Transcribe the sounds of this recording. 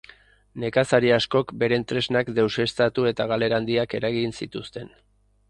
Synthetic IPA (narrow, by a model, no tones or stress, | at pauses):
ne̞kasaɾiasko̞kbe̞ɾe̞nt̪ɾe̞znakd̪e̞wse̞st̪at̪ue̞t̪aɣale̞ɾand̪iake̞ɾaɣinsit̪ust̪e̞n